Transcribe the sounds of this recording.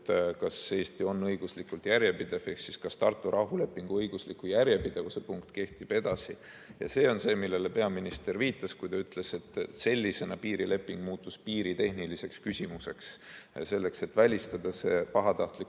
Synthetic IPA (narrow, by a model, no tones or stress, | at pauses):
t̪kɑse̞ːst̪io̞nːɤjɡ̥uslikːult̪jæɾjepid̪̥e̞v̥eksiskɑst̪ɑrt̪ːˑuɾʔɑɦule̞pːˑiŋɡ̥uɤjɡ̥uslikːˑujærjepid̪̥e̞vuse̞puŋkt̪ˑke̞ht̪ib̥e̞d̪̥ɑsi | jɑ̰se̞ːo̞nse̞ːmilːe̞le̞pe̞ɑminist̪e̞rviːt̪ːˑɑskujt̪ɑyt̪ˑle̞se̞t̪ːse̞lʲːise̞nɑpiːɾile̞pːˑiŋɡ̥muːt̪ːˑuspiːɾit̪e̞hnilise̞kskysʲimuse̞̰ksse̞lːe̞kse̞t̪ːvælʲist̪ɑd̪̥ɑseːpɑɦɑt̪ɑht̪lik